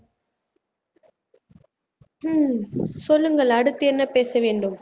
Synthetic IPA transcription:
sɔlːɯŋɡɐɭɐɽɯt̪ːɯɛnːɐpeːsɐʋeːɳɖɯm

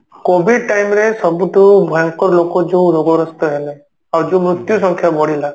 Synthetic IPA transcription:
kobʱiɖ̚ʈajmɾesɔbuʈubʱaŋkɔɾlokɔd͡ʒoɾoɡɔɾɔst̪ɔɦelɛ | aɾd͡ʒomɾut̪jusɔŋkʰjabɔɽ̤ila

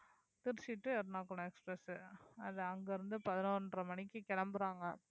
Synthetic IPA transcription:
t̪ɪɾsɪʈːɯɛɾɯnaːkːɐɳõɛkspɾɛsɯɐðɐɐŋɡeɾɯnd̪ɯpɐðɪnoːnɖrɐmɐɳɪkːɯkɛɭɐmbɯɾaːŋɡɐ

